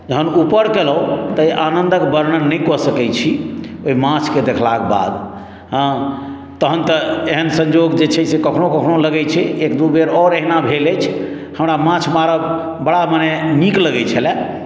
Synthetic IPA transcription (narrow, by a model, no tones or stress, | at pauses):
d͡ʒəɦənupəɾkeləut̪əiʔanənd̪əkbəɾnənəkɔsəkɛt͡ʃʰioimãt͡ʃʰked̪ekʰlakeba̰d̪ | ɦ | t̪əɦənt̪əeɦənsə̃ɲd͡ʒoɡd͡ʒet͡ʃʰɛsekəkʰnokəkʰnoləɡɛt͡ʃʰɛekd̪ubeɾɔɾeɦnabʱelɛt͡ʃʰ | həmɾamãt͡ʃʰmaɾəb | bəɽamanemikləɡɛt͡ʃʰəlɛ